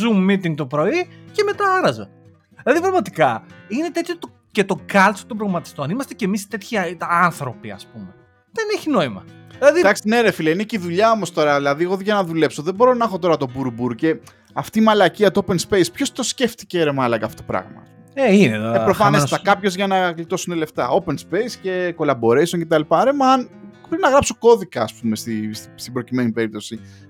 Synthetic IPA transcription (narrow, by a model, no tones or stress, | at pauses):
zummːit̪iŋɡ̚t̪o̞pɾo̞iceme̞t̪ɐɐɾɐze | ðilɐðipɾɐɣmɐt̪ikɐine̞t̪e̞t̪çot̪o | cet̪o̞kɐlt͡so̥t̪ombɾomɐt̪i̥st̪o̞nimɐst̪e̞cemist̪e̞t̪çiɐnθɾo̞piɐ̰spume̞ | ðeneçino̞imɐilɐðid̪ɐksineɾefilɐineciðuʎɐo̞most̪o̞ɾɐðilɐðieɣoðiʝɐnɐðule̞pso̞ðebo̞ɾo̞nɐxo̞t̪o̞ɾɐt̪o̞buɾubuɾce̞ | ɐft̪iːmɐlɐciɐt̪oope̞nspe̞jspço̞st̪o̞sce̞ft̪i̥ceɾemɐlɐkɐftot̪opɾɐ̰ɣmɐ̰ | eineðoepɾofɐnest̪ɐkkɐpço̞zʝɐnɐklit̪o̞sunele̞ft̪ɐo̞penspe̞jsce̞ko̞lɐbo̞ɾe̞jsonce̞t̪ɐlipɐɾemɐɐnpɾinɐɣɾɐpso̞ko̞ðikɐːspume̞st̪isst̪ibɾo̞cime̞nipe̞ɾip̚t̪o̞si